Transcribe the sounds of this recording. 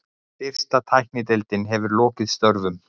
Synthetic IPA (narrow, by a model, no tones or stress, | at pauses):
ɪr̥st̪at̪ʰajhknɪt̪ɛlt̪ɪnɦɛvʏɾlɔːcɪðst̪œɾvʏm